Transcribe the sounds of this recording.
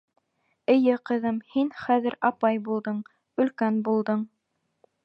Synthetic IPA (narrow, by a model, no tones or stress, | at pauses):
ɘ̆jɘqɤ̆ðɤmhinχæðɘɾɑpɑjbulˠd̪ɤɴ | ɵ̆lkænbulˠd̪ɤɴ